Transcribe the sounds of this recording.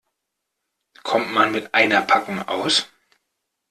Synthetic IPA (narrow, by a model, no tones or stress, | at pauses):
kʰɔmtmanmɪtʔaɪnɐpʰakʊŋʔa̰ʊs